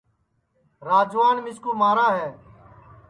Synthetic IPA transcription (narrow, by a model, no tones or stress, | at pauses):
ɾaːd͡ʒʋaːnmɪskuːmaːɾaːɦɛː